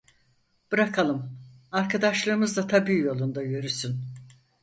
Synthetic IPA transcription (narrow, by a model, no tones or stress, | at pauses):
b̥ɯɾakʰalˠɯmaɾkʰad̪aʃlˠɯːmɯzd̪at̪ʰabiːjo̞lˠund̪ajøɾysyn